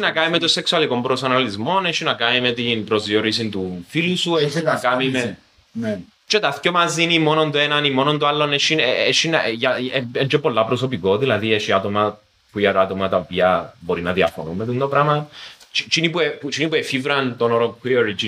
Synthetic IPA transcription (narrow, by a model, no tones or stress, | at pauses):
ʃinɐkaimet̪oseksualikompɾosonalizmoneʃːinakamimet̪inpɾozioɾisint̪ufilusueʃiakamime | t͡ʃet̪aθcomazinimonont̪oenanimːonond̪ualːoneʃieʃːinjaeend͡ʒepːolːapɾosopikoðilɐðieʃiat̪oma | puiaat̪omat̪aopiɐboɾinɐðia̰fo̰nṵmːet̪und̪opɾamant͡ʃit͡ʃinipueput͡ʃinipuefivɾant̪onoɾoŋkioɾit͡ʃi